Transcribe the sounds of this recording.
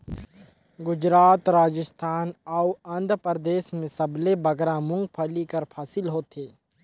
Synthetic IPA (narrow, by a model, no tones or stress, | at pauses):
ɡʊd͡ʒɾaːt̪ɾaːd͡ʒəst̪ʰaːnauɐ̃nd̪ʱpɾd̪eːsmẽsɐblebɐɡɾãmʊ̃ŋɡpʰɐlikɐɾpʰaːsɪlɦoːt̪ʰeː